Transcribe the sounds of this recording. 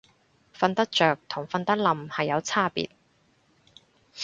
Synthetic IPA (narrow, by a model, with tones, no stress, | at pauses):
fɐ˧nt̪ɐ˥k̚t͡ʃœː˨˩k̚t̪ʰʊ˨˩ŋfɐ˧nt̪ɐ˥k̚lɐ˨mhɐ˨jːɐ˨˧wt͡sʰaː˥pḭː˨t̚